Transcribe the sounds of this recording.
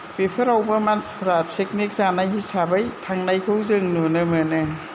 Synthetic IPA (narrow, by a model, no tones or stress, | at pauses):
bepʰɐɾawbɐmanspʰɾaseknik̚zanajɦisabajtʰaŋnajkʰɯwzɯŋnonɯmɯnɯ